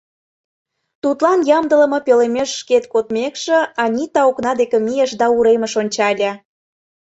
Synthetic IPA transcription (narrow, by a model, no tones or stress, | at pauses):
t̪ut̪lɑnjɑmd̪ə̆lə̆mɤ̆pølemeʃːket̪̚kot̪mekʃĕɑnʲit̪ɑoknɑd̪ekĕmijeʃd̪ɑuɾemə̆ʃonʲt͡ɕɑlʲɑ